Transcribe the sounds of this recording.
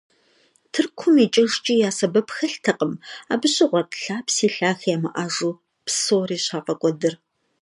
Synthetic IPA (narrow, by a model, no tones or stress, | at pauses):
tʰɨrkʷʰʊmiːt͡ʃʼɪʒt͡ʃʼiːjaːsɐbɐpxɐɬtʰɐqʼəma̰ːbɨɕʼɪʁʷɔtʼɬaːpsiːɬaːxjaːmɐʔaːʒuː | psoːriːɕaːqʼɐkʷʼɔdɨr